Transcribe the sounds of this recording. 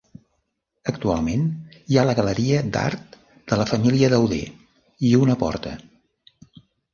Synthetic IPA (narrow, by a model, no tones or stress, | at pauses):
əkt̪ua̰lˠmenialəɣələɾiəd̪a̰ɾt̪̚ | d̪̥ələfəmiliəðəwðḛ | iunəpɔ̰ɾt̪ə